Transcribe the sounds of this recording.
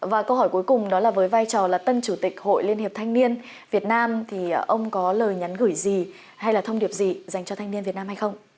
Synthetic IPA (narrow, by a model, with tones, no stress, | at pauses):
vaː˨˩kə˧whɔ˧˩jku˨˦jkʊ˨˩ŋ͡mɗɔ˨˦laː˨˩vəː˨˦jvaː˧jt͡ɕɔ˨˩laː˨˩t̪ə˧nt͡ɕu˧˩t̪ï˨˩k̟̚ho̰˧˨jli˧ənhe˨˩p̚t̪ʰa˧ŋni˧ən | vi˨˩ət̚naː˧mt̪ʰi˨˩ʔə˧wŋ͡mkɔ˨˦ləː˨˩jɲa˨˦nɣɨ˧˩jzi˨˩ | ha˧jlaː˨˩t̪ʰə˧wŋ͡mɗi˨˩əp̚zi˨˩za˨˩jŋ̟t͡ɕɔ˧t̪ʰa˧jŋni˧nvi˨˩ət̚naː˧mha˧jxə˧wŋ͡m